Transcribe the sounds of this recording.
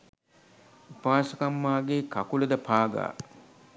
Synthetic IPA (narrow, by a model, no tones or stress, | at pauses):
upaːsəkamːaːɡeːkakuləd̪əpʰaːɡa̰ː